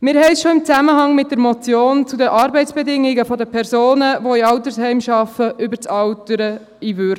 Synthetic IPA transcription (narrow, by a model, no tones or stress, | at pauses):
mɪːɾhɛɪsʃoɪmt͡sæməɦɑŋmɪt̚d̥əɾmɔt͡sjoːnt͡sudəʔɑːɾbɛɪt͡sb̥ɛdɪŋiɡəfɔd̪əpʰɛɾsoːnəʋoiɑʊt̪əɾshɛɪmʃɑfəʔʏbəɾt͡sɑwtəɾə | ivøɾ